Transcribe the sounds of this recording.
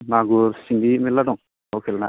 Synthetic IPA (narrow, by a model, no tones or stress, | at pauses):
maɡuɾsiŋɡimilːadɔŋ | awkʰɛlna̰